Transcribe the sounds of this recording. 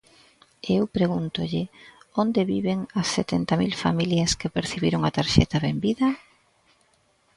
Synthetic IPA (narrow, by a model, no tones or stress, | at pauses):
ewpɾeɣunt̪ʊʎɪond̪eβiβeŋɐsːet̪ent̪ɐmilfa̰miljɐskɪpeɾθiβiɾoŋat̪aɾʃɛ̰t̪ɐβembiðɐ